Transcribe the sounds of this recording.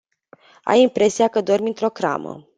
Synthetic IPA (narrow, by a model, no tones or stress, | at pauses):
a̰jimpɾe̞siakəd̪o̞rmint̪ɾo̞kɾa̰mə̰